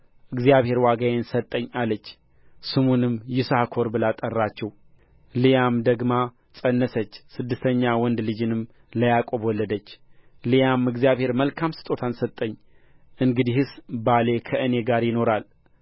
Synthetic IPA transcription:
ʔɨɡzijaβhe̞ɾwaɡajensət̪ʼːəɲːalːət͡ʃː | sɨmunɨmjɪsakʰo̞ɾbɨlat̪ʼərːat͡ʃːɛw | lijamd̪əɡma | t͡sʼənːəsət͡ʃːsɨd̪ːɨst̪ʰəɲːawɔnd̪lɨd͡ʒɨnɨm | ləjakʼo̞bwɔlːəd̪ət͡ʃːlijamɨɡzijaβhe̞ɾməlkʰamsɨ̥t̪ʼo̞t̪ʰansət̪ʼːəɲː | ʔɨŋɡɨd̪ihɨsbalekʰəʔɨne̞ɡaɾjɪno̞ɾal

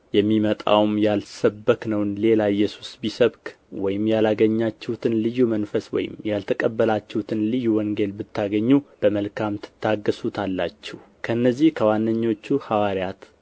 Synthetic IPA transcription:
jɛmːimət̪ʼa̰wmjalsəbːəknəwnle̞laɨjːɛsu̥sbisəβkʼ | wɔjɪmjalaɡəɲːat͡ʃːɛhut̪ʰɨnlɨjːumənfəswɔ̰jɪ̰mjalt̪ʰəkʼəbːəlat͡ʃːɛhut̪ʰɨnlɨjːuwɔŋɡe̞lbɨt̪ʰːaɡəɲːub̥əməlkʰamt̪ʰɨ̥t̪ʰːaɡːəsut̪ʰalːa̰t͡ʃːɛh | kʰəɨnːəzːihkʰəwanːəɲːo̞t͡ʃːuhawaɾjat̪

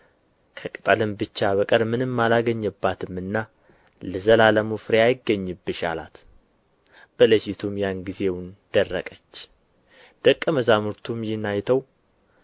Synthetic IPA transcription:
kʰəkʼɨt̪ʼəlɨmbɨt͡ʃːaβəkʼəɾmɨnɨmːalaɡəɲːɨbːat̪ʰɨmːɨnːa | ləzəlaləmufɾeajɪɡːəɲːɨbːɨʃa̰la̰t̪ | b̥ələʃit̪ʰumjanɡize̞wʊnd̪̥ərːəkʼət͡ʃː | d̪̥əkʼːəməzamuɾt̪ʰumjɪnːajt̪ʰəw

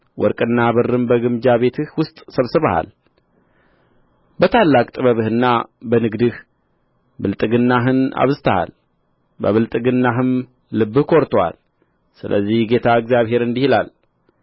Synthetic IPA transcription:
wʔɔ̰ɾkʼɨnːabɨrɨmbəɡɨmd͡ʒaβe̞t̪ʰɨhwʊst̪ʼsəβsɨβəha̰l | bət̪ʰalːakʼt̪ʼɨbəβɨhɨnːabənɨɡd̪ɨh | bɨlt̪ʼɨɡɨnːaɦɨna̰βzɨt̪ʰəha̰l | bə̰βɨlt̪ʼɨɡɨnːaɦɨm | lɨbːɨhkʰo̞ɾt̪ʰowa̰l | sɨlʔə̰zːihɡe̞t̪ʰaɨɡzjaβɦe̞ɾɨnd̪ihilal

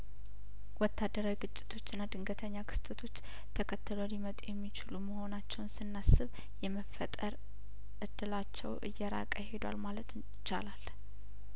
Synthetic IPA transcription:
wɔt̪ʰːad̪ːəɾawiɡɨt͡ʃʼːɪ̥t̪ʰo̞t͡ʃːɪnːad̪ɨŋɡət̪ʰəɲːakʰɨ̥st̪ʰɨt̪ʰo̞t͡ʃː | t̪ʰəkʰət̪ːɨlolimət̪ʼujɛmːit͡ʃɪluməho̞nat͡ʃːɛwnsɨnːasɨβ | jɛməfət̪ʼəɾ | ʔɨd̪̥ːɨlat͡ʃːɛwʔɨ̰jːɛɾa̰kʼəhe̞d̪wa̰lmalət̪ | t͡ʃːa̰lal

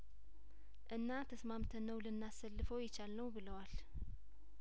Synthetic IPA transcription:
ʔɨnːat̪ʰəsmamt̪ʰənəwlɨnːasːəlːɨfəwjɪt͡ʃalnəwbɨləwal

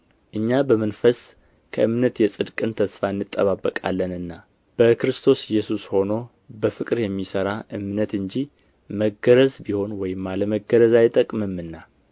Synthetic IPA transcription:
ʔɨɲːabəmənfəs | kʰəʔɨmnət̪jɛsʼɨd̪kʼɨnt̪ʰəsfaɨnːɨt̪ʼːəβabːəkʼa̰lːənɨnːa | b̥əkɨɾɨst̪ʰo̞sɛjːɛsusho̞no̞ | bəfɨkʼɾjɛmːisəɾaʔɨmnət̪ɨɲd͡ʒi | məɡəɾəzbiho̞nwɔjɪmːaləməɡəɾəzajt̪ʼəkʼmɨmːɨnːa

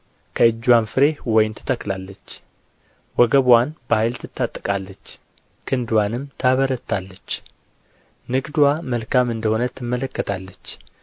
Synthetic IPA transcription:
kʰəɨd͡ʒːwanfɨɾe̞hwɔjɪnt̪ʰɨ̥t̪ʰəklalːət͡ʃː | wɔɡəβwanbəhajlt̪ʰɨt̪ːat̪ʼːkʼalːət͡ʃː | kʰɨnd̪wanɨmt̪ʰaβəɾət̪ʰːalːət͡ʃː | nɨɡd̪uwaməlkʰamɨnd̪əho̞nət̪ʰːɨmːələkːət̪ʰalːət͡ʃː

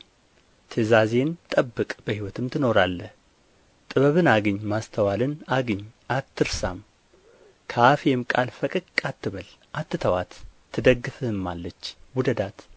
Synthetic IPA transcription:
t̪ʰɨzaze̞nt̪ʼəbːɨkʼb̥əhiwɔt̪ʰɨmt̪ʰɨno̞ɾalːəh | t̪ʼɨβəβɨnaɡɨɲːmast̪ʰəwalɨnaɡɨɲːat̪ʰːɨɾsa̰m | kʰəafjɛmkʼalfəkʼɨkʼat̪ːɨβəlʔat̪ːɨt̪ʰəwa̰t̪ʰː | ɨd̪əɡːɨfɨmːalːət͡ʃːwʊd̪əd̪at̪

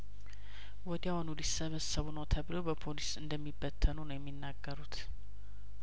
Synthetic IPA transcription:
wɔd̪jawonulisːəβəsːəβunəwt̪ʰəβɨlobəpʰolisɨnd̪əmːibːət̪ʰːənunəwjɛmːinːaɡːəɾut̪

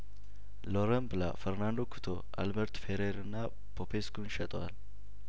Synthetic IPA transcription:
loɾəmbɨla̰fɛɾnand̪o̞kʰu̥t̪ʰoʔa̰lbɛɾt̪feɾeɾɨnːa | pʰopʰeskunʃɛt̪ʼwa̰l

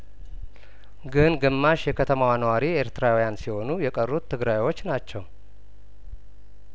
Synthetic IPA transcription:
ɡɨnɡɨmːaʃjɛkʰət̪ʰəmawanəwaɾie̞ɾt̪ɾawjansiho̞nujɛkʼərːut̪ʰːɨɡɾajwo̞t͡ʃːnat͡ʃːɛw

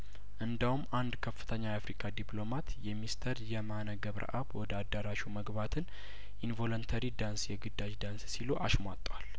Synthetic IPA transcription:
ʔɨnd̪ahumːand̪kʰəfːɨ̥t̪ʰəɲːajafɾikʼad̪iplo̞mat̪jɛmist̪ʰəɾjɛmanəɡəβɾʔə̰ʔaβwɔd̪əad̪ːəɾaʃuməɡbat̪ʰɨn | ʔinvo̞lont̪ʰəɾid̪ansjɛɡɨd̪ːad͡ʒd̪anssiluʔaʃmʷat̪ʼːwal

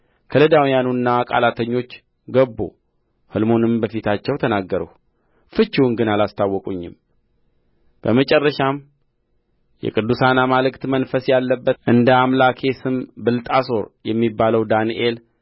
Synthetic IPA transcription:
kʰəlɨd̪awjanunːakʼa̰lat̪ʰəɲːo̞t͡ʃː | ɡəbːo̰ | hɨlmo̞nɨmbəfit̪ʰat͡ʃːɛwt̪ʰənaɡːəɾə̰h | fɨt͡ʃːiwnɡɨnalast̪ʰawːɔkʼuɲːɪ̰m | b̥əmət͡ʃʼɛrːəʃam | jɛ̰kʼɨd̪ːusanamalɨkt̪mənfəsjalːəbːəʔɨnd̪əamlakʰe̞sɨmbɨlt̪ʼaso̞ɾjɛmːibːaləwd̪aniʔe̞l

